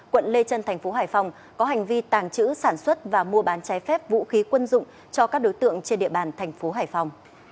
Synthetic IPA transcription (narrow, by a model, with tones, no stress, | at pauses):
kwə̰˧˨nle˧t͡ɕə˧nt̪ʰa˨˩jŋ̟fo˨˦ɦaː˨˩jfa˧wŋ͡m | kɔ˨˦ɦa˨˩ŋ̟vi˧t̪aː˨˩ŋt͡ɕɨ̰˧˥saː˧˩nswə˦˥t̚vaː˨˩mu˧əɓaː˨˦nt͡ɕaː˨˦jfɛ˦˥p̚vṵ˧˥xi˨˦kwə˧nzʊ̰˧˨ŋ͡m | t͡ɕɔ˧kaː˦˥k̚ɗo˨˦jt̪ɨ̰˧˨əŋt͡ɕe˧nɗḭ˧˨əɓaː˨˩nt̪ʰɛ˨˩jŋ̟fo˨˦ɦaː˧˩jfa˧wŋ͡m